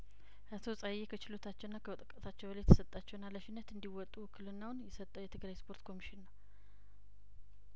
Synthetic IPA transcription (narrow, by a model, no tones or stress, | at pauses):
ʔət̪ʰo̞sʼajekʰət͡ʃɪlo̞t̪ʰat͡ʃːɛwnːakʰəwət̪ʼəkʼːət̪ʰat͡ʃːɛwbəljɛt̪ʰə̥sət̪ʼːat͡ʃːɛwnːaləʃɪnːət̪ɨnd̪iwɔt̪ʼːukʰːɨlɨnːawnjɛsət̪ʼːəwjɛt̪ʰɨɡlajspʰo̞ɾt̪kʰo̞miʃɪnːəw